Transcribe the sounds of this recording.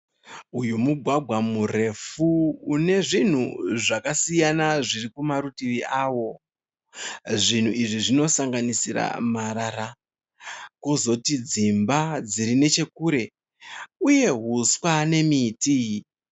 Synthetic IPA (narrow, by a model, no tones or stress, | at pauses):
ujumuɡʱwaɡʱwamure̞fuːne̞ʐin̤uʐakasijanaʐirikumaɾutiʋiaːwo̞ | ʐin̤uiʐiʐino̞saŋɡanisiɾa̰maɾaɾa | kozo̞tid͡zimbad͡ziɾine̞t͡ʃe̞kuːɾe̞ | uje̞ɦuswane̞miti